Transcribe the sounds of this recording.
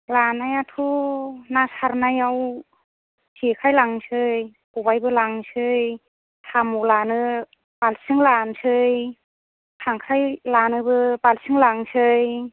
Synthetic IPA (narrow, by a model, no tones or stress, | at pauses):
lanajatʰunasaɾnajaw | sikʰajlaŋsʰɯj | kubajbɯlaŋsʰɯj | tʰamulanɯ | palsɯŋlansʰɯj | tʰaŋkʰajlanɯbɯpalsʰɯŋlaŋsʰɯj